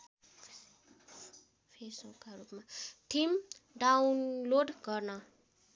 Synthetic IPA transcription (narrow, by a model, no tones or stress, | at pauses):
pʰesbukːaɾupmaʈʰimɖawnloɖɡʌrnʌ